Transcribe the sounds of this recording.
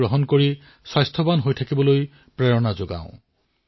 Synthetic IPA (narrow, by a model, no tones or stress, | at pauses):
ɹoɦɔnkoɹi | swajstʰɔbanɦojtʰakibɔloj | pɹɛɹɔnazoɡã̰ʊ̃